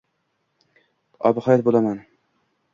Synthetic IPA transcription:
ɒ̰bɪhɒjɒt̪̚bolaman

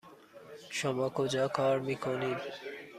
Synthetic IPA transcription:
ʃɔmɔkod͡ʑakʰɔɾmikʰonid

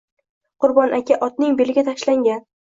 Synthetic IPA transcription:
qʰʊɾbɒnʔakʲʰaʔɒt̪nɪŋbe̞lɪɡʲat̪ʰaʃlaŋɡʲan

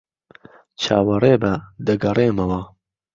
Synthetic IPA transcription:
t͡ʃʰaːwɐreːbɐd̪ɐɡɐreːmɐwɐ

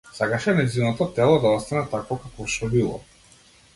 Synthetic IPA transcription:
sakaʃɛmɛd̪zinɔt̪ɔt̪ɛlˠɔd̪aɔt̪st̪anɛt̪akvɔkakɔʃɔbilˠɔ̰

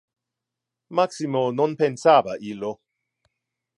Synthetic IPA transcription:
maksimononpensabaʔilo

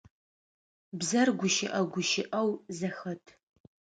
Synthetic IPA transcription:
bzɐrɡʷʊʃɪʔɐɡʷʊʃɪʔɐwzɐxɐtʰ

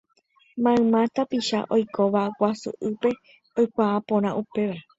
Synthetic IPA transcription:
mãɨ̃mãt̪apiʃa̰ʔo̞jkʰo̞ʋawasṵʔɨpe̞ | ojkʷaːpõɾ̃ãʔupe̞ʋa

